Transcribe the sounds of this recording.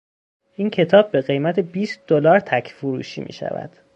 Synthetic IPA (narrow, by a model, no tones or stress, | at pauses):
ʔiːncʰe̞t̪ʰɒːbːe̞ɣe̞jmæt̪ʰe̞biːst̪̚d̪olɒːɾt̪ʰæcʰfoɾṵːʃḭːmḭːʃæ̰væ̰d̪̥